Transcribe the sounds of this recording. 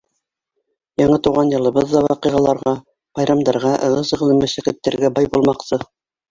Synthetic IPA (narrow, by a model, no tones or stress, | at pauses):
jɑɴɤt̪uwʁɑnjɤ̆lˠɤ̆bɤðːɑwɑqɤʁɑlˠɑɾʁɑ | b̥ɑjɾɑmd̪ɑɾʁɑʔɤ̆ʁɤsɤ̆ʁlˠɘmɘsækɘ̆t̪ːæ̆ɾɡæbɑjbulˠmɑqsɤ